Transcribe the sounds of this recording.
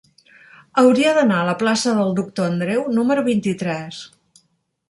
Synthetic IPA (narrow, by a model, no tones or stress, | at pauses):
əwɾiəðənaələplasəðəlˠd̪uk̚t̪oənd̪ɾewnuməɾuβint̪it̪ɾɛs